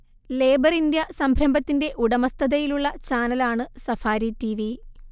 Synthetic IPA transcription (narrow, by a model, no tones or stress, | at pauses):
le̞ːbɐɾind̪jɐsɐmbʱɾɐmbɐt̪ːinde̞ʔuɽɐmɐst̪ʰɐðɐjiluɭːɐt͡ɕaːnɐlaːɳɨsɐfaːɾitiʋi